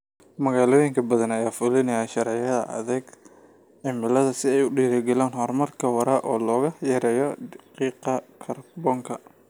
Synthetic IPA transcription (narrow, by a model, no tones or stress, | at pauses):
mɐɣaːlɔːjɪŋkʰɐbɐðɐnɐjaːfʊlɪnɐjaːʃɐɾʕɪjɐðɐ̰ʔɐ̰ðɐɡ | ʕɪmɪlɐðɐsɪɛjʊɖiːɾɐɡɛlaːnɦɔrmɐrkʰɐwɐɾaːʔɔːlɔːɣɐjɐɾɛːjɔdɑqiːqɐkʰɐrbɔːŋkʰɐ